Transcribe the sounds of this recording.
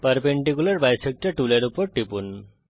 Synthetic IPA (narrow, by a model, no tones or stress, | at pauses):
pəɾpeɳɖikulaɾbajsek̚ʈaʈulaɾupɔɾʈipun